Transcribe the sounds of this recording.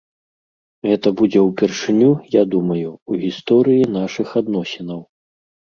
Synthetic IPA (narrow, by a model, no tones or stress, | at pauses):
ɣɛt̪ɐbud͡zʲɛwpʲɛrʂɨnʲujad̪umɐjuuɣʲist̪ɔɾɨjin̪aʂɨxad̪n̪ɔsʲinɐw